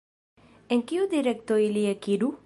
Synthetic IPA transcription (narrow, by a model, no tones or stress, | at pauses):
eŋkiud̪iɾek̚t̪oiliekiɾu